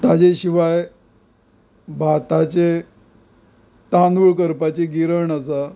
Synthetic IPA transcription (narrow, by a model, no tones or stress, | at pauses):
t̪ad͡ʑeɕiʋaj | bʱat̪at͡ɕe | t̪ãnd̪uɭkəɾpat͡ɕeɡiɾəɳas̬a